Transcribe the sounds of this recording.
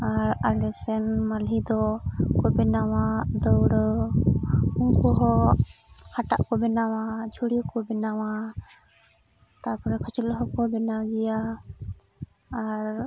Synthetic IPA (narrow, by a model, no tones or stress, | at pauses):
aɾalɛsɛnmalɦid̪ɔkɔbɛnawad̪ɔwɽɔ | uŋkɔɦɔ | haʈa̰ʔkɔbɛnawad͡ʒʱuɽijɔkɔbɛnawa | t̪apɔɾɛkʰɔt͡ʃulɦɔkɔbɛnawd͡ʒɛja | ɾ